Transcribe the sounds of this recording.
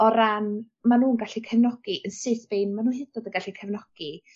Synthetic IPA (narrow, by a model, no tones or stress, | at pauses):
ɔɾan | manuːnɡaɬikʰɛvnɔɡ̥iʔənsɨːθb̥ejnmanuːnhɨdɔdəɡaɬikʰɛvnɔɡ̥i